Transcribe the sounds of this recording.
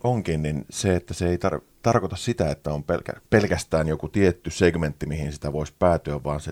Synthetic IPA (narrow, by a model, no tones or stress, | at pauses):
ʔoŋkinninseet̪ːæseeˑit̪ɑr | t̪ɑrkot̪ɑssit̪æet̪ːæompḛlkæ̰pelkæst̪æːnjokut̪iet̪ːyseɡment̪ːimihinsi̥t̪æʋoisʲpæːt̪yæʋʋɑːnse